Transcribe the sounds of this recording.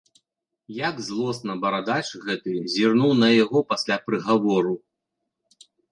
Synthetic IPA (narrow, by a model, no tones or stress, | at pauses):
jaɡzlˠɔsnɐbɐɾad̪at͡ʂɣɛt̪ɨzʲirnuwnɐjaɣɔpasʲlʲapɾɨɣavɔɾu